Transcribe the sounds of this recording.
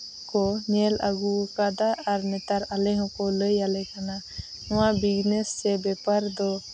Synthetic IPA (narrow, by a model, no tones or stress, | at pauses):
kɔɲɛla̰ɡukadaʔaɾnɛt̪aɾalɛɦɔ̃kɔləjalɛkana | ɔ̃wabiɡnɛsːɛbɛpaɾd̪ɔ